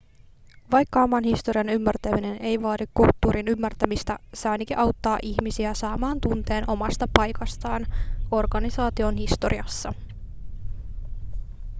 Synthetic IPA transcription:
ʋɑjkːɑomɑnhist̪o̞ɾiɑnymːært̪æmine̞ne̞jʋɑːdikkult̪ːuːɾʔinymːært̪æmist̪æsɑːnikiʔɑwt̪ːɑːʔiçmisiæsɑːmɑːnt̪unt̪e̞ːnʔo̞mɑst̪ɑpɑjkɑst̪ɑːno̞rɡ̥ɑnisɑːt̪io̞nhist̪o̞̰ɾiɑsːɑ

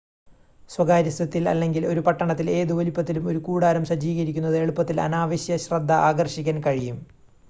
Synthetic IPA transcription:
swɐɡaːɾjɐsɐt̪ːilɐ̰lːe̞ŋɡilo̞ɾupɐʈːɐɳɐt̪ːile̞ːðɨʋolipːɐt̪ːilumo̞ɾukuːɽaːɾɐmɕɐd͡ʑiːɣɐɾikʲːunːɐðɨe̞ɭupːɐt̪ːilɐ̰naːʋɐɕjɐɕrɐd̪ʱːɐʔaːɡɐrɕikʲːɐnkɐɻijum

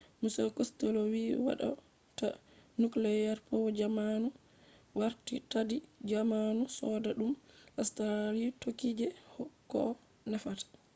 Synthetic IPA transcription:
musɛkɔstɛlɔwiwa̰ɗɔ̰ | ta̰ | nuklɛjaɾpɔwɔd͡ʒamanu | waɾtitadid͡ʒamanusɔdaɗumʔastaɾaɾitokid͡ʒɛhɔkːɔ | nɛfatḁ

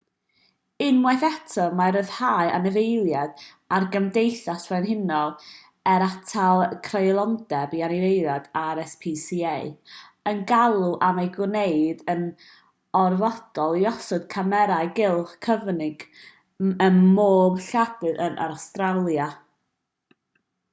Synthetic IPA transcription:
ɪnmwɛθɛtʰɔmaɾəðhaɨʔa̰nɛvejlˠjad̥ | arɡəmdejθaswanhɪnɔlˠ | ɛɾatʰalˠkʰrejlˠɔndɛbianɪvejɾadaɾɛspʰisieɨənɡalˠuʔamajɡwneɨdən | ɔrvɔd̥ɔlˠiɔsɔd̥̚kʰamɛɾaɨɡɪlˠχkʰəvnɪɡ̥ | ənmoːbɬadɨðənʔa̰ɾstralˠja

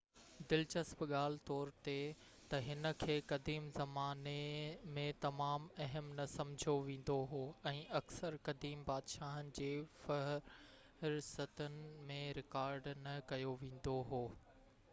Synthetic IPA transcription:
d̪ɪlt͡ɕɐsbɠaːl̤ɪt̪ɔːɾt̪e | t̪ɐɦɪnə̆kʰeːkɐd̪iːmzɐmaːnemẽt̪ɐmaːmɐɦəmnɐsɐ̃md͡ʑʱoʋẽːn̆d̪oɦoːɛ̃ːɐksəɾkɐd̪iːmbaːd̪ʃaːɦənɪ̆d͡ʑeːfɐɦ | ɾsət̪ənɪ̆mẽɾɪkaːɾɖnɐkɐjoʋẽːn̆d̪oɦoː

